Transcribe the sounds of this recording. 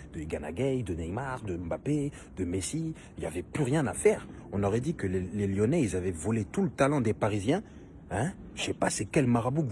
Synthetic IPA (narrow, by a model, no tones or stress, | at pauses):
d̪̥əɡana̰ɡɛjd̪ənɛjmaʁd̪əɑ̃bape | d̪̥əmesi | ilja̰vɛplyʁjɛ̃nafɛːʁɔ̃nɔʁɛd̪ikəlleljɔnɛilzavɛvɔlet̪ulət̪alɑ̃d̪epaʁizjɛ̃ | ɛ̃ | ʃɛpasɛkʲɛlmaʁabuk